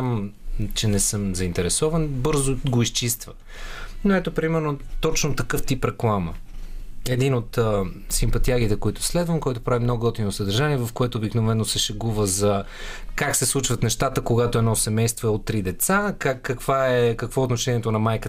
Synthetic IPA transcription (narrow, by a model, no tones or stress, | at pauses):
amt͡ʃɛnɛsɤmzɐint̪ɛɾɛsɔvənbɤɾzoɡoist͡ʃist̪və | noɛt̪opɾimɛɾnot̪ɔt͡ʃnot̪ɐkɤft̪ipɾɛklˠamə̰ | ɛd̪inot̪əsimpɐt̪iaɡ̟it̪ɛkoit̪ʊ̥slɛd̪vəmkɔjt̪o̥pɾavimnɔɡoɡɔt̪inosəd̪ɐɾʒaniɛvɐfkoɛt̪oːbiknovɛnːosɛʃɛɡuvəzɐ | kaksɛslˠut͡ʃvət̪nɛʃt̪at̪əkoɡat̪oɛnɔsɛmɛjst̪voɛot̪ːɾid̪ɛt̪sakakːɐkvaɛkɐkvɔot̪noʃɛniɛt̪onɐmajkə